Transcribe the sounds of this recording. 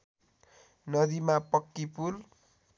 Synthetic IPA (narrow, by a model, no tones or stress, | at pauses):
nʌd̪imapʌkːipul